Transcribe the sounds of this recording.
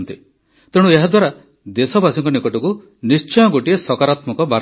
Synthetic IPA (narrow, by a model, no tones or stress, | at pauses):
nt̪i | t̪eɽ̃ueɦad̪waɾa | d̪esɔbasɔŋkɔnikɔʈɔku | nist͡ʃɔjɔɡoʈiesɔkaɾat̪mɔkɔbaɾ